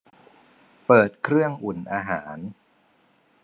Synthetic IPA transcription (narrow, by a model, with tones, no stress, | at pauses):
pɤː˨˩t̪̚kʰɾɯ˥˩əŋʔu˨˩nʔaː˧ɦaː˩˦n